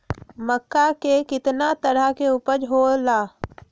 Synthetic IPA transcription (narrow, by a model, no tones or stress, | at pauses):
məkːakekɪt̪nat̪əɽaɦkeupəɾd͡ʒɦolaː